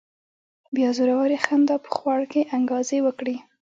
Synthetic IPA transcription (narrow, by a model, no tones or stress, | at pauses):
bjɑzoɾawaɾixand̪ɑpə̥xwɑɽkeʔaŋɡɑzewəkɽi